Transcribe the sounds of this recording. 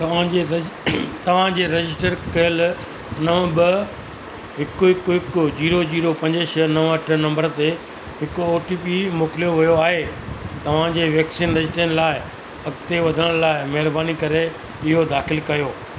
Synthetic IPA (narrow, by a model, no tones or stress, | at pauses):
t̪ɐ̤ãe | t̪ɐʋ̤ãd͡ʑeːɾɐd͡ʑɪs̬ʈəɾkɐjəl | nɐʋbɐ | ɦɪkʊɦɪkʊɦɪkʊd͡ʑiːɾod͡ʑiːɾopɐ̃ɲd͡ʑəʃnɐʋɐʈʰnɐ̃mbəɾt̪e | ɦɪkʊoːʈiːpimoːkɪlijoʋʊjoaːɦet̪ɐʋ̤ãd͡ʑeːʋjeːksinɾɐɪsʈiənɪ̆laːɪ | ɐɡt̪eʋɐd̪ʱəɽ̃laːɪmɐɦɪɾbaːnikɐɾe | ɪɦod̪aːxɪlkɐjoː